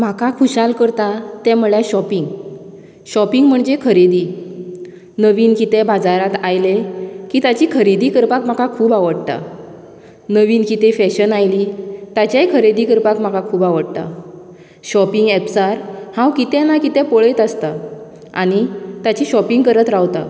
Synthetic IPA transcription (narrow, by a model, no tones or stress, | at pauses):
m̤akakʰuɕalkəɾt̪at̪ɛ̃m̤uɭjaɕɔpiŋɡ | ɕɔpiŋɡm̤əɳd͡ʑekʰəɾed̪iː | nəʋiːnkit̪ɛ̃bad͡zaɾat̪ajlekiːt̪at͡ɕiːkʰəɾid̪iːkəɾpakm̤akakʰuːbaʋəɽt̪a̰ | nəʋiːnkit̪efɛɕənajliːt̪at͡ɕajkʰəɾed̪iːkəɾpakm̤akakʰuːbaʋəɽt̪a̰ | ɕɔpiŋɡɛpsaɾhãwkit̪ɛ̃nakit̪ɛ̃poɭet̪ast̪a | a̰ɽ̃it̪at͡ɕiɕɔpiŋɡkəɾət̪ɾawt̪a̰